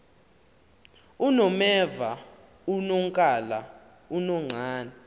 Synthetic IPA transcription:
unɔmɛva | unɔŋkʼala | unɔŋ͡ǀʱaːnɛ

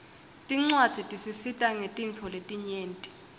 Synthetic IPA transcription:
tʼiŋ͡ǀwad̥z̥ʱitʼisisitʼaŋetʼint͡fʰɔletʼiɲeːntʼi̥

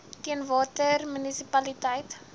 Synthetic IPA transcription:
tiənvɑːtərmynisipɐlitəjt

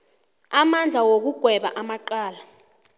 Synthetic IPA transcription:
amand͡ɮʱawok̬uɡ̥ʱwɛɓa̰ʔamaǃaːla

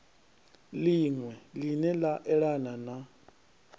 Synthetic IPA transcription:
liŋwɛlinɛlaʔɛɺanana

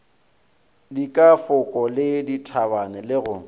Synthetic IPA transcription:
dikʼafʊkʼɔlɪditʰabanɛlɪɣʊ

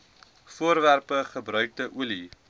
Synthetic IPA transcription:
fuəɾværpəχəbɾœɥk̚dəʔuli

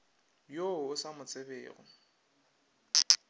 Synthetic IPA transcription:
joʊsamʊt͡sʼɪbḛːɣʊ̰

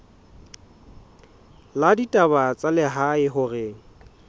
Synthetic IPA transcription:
laditʼaβat͡sʼalɪɦaɪɦʊrɪ

